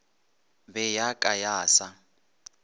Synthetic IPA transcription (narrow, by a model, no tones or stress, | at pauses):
bɛjakʼajaːsa